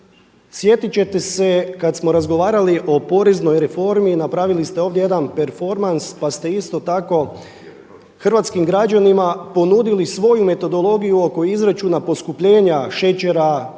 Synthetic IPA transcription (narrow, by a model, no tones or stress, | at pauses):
sje̞t̪it͡ɕe̞t̪e̞se̞kat̪smo̞ɾazɡo̞ʋaːɾaliʔo̞po̞ɾezno̞jɾe̞fo̞ɾminapɾaʋilist̪eo̞ːʋd̪jejed̪anpe̞ɾfo̞ɾmanspast̪e̞ist̪o̞t̪ako̞ | xr̩ʋat̪skimɡɾad͡ʑanimapo̞nud̪ilisʋo̞jume̞t̪o̞d̪o̞lˠo̞ɡijuo̞ko̞izɾet͡ʃunapo̞skupʎe̞ːɲaʃe̞t͡ɕeɾa